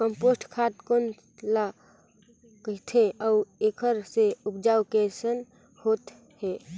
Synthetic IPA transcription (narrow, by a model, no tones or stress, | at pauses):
kəmposʈkʰat̪kon | la | kəɦt̪ʰẽʔɔuekʰəɾseupd͡ʒaukesən | hot̪ | he